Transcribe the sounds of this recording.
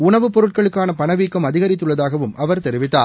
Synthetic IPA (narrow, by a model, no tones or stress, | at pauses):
ʊnɐʋɯpːɔɾɯʈ̚kɐɭɯkːaːnɐpɐnɐʋiːkːɐmɐðɪɣɐɾɪt̪ːɯɭːɐðaːɣɐʋɯmɐʋɐɾt̪ɛɾɪʋɪt̪ːa̰ː